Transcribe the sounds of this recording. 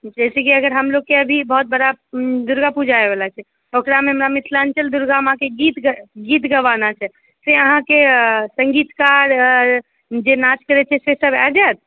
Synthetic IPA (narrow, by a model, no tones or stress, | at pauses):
d͡ʒɛsɛkiəɡəɾɦəmloɡkːeəbʱibəɦut̪̚bəɽad̪uɾɡapud͡ʒʱaebɛlat͡ʃʰɛ | okɾameɦəmɾamit̪ʰlaənt͡ʃəld̪uɾɡamãkeɡit̪ɡit̪ɡəʋanat͡ʃʰɛ | seəɦãkesəŋɡit̪kaɾ | d͡ʒenat͡ʃkəɾɛt͡ʃʰɛsesəbɛd͡ʒat̪̚ʰ